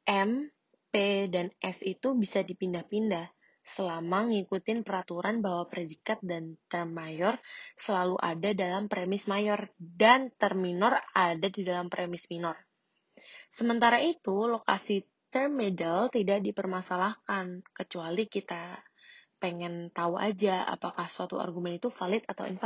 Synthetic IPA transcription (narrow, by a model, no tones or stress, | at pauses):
ʔɛm | pedanʔɛsit̪ubisadipindahpindah | səlamaŋikut̪ɪnpəɾat̪uɾanbawapɾedikat̪̚dant̪ərmajɔrsəlaluʔa̰dadalampɾemɪsmajɔrdant̪ərminɔradadidalampɾʔemɪsminɔr | səmənt̪aɾait̪uloka̰si | t̪ərmedalt̪idak̚dipərmasalakankət͡ʃualikit̪a | peŋɛnt̪aua̰d͡ʒaa̰pakahsuat̪ṵa̰rɡumɛnit̪ufalɪt̪̚at̪a̰wḭnf